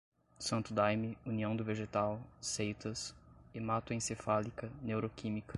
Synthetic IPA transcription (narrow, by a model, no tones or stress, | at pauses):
sɐ̃nt̪ʊd̪ajmɪuniɐ̃w̃d̪ʊveʒet̪awsejt̪ɐsɪmat̪wẽsefalikɐnewɾokʰĩmikɐ̥